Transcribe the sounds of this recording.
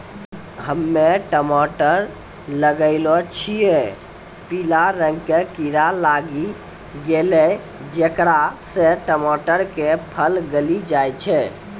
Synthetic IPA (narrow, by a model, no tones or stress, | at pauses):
ɦəmːeʈəmɔʈəɾ | ləɡəɪlot͡ʃʰije | pilaɾəŋɡkekiɾalaɡi | ɡelɛ | d͡ʒekɾasẽʈəmɔʈəɾkepʰəlɡəlid͡ʒajt͡ʃʰɛ